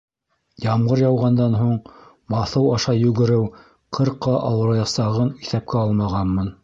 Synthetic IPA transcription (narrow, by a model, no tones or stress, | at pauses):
jɑmʁɤɾjɑwʁɑnd̪ɑnɦuɴ | mɑθɤwɑʃɑjʉɡɘ̆ɾɘw | qʰɤ̆ɾqːɑʔɑwɤ̆ɾɑjɑsɑʁɤniθæp̚kʰæɑlˠmɑʁɑnmɤn